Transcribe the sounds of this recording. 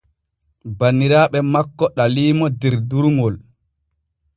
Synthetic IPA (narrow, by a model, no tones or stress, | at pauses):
banːiɾaːɓɛmakːɔɗaliːmɔdɛɾduɾŋɡɔl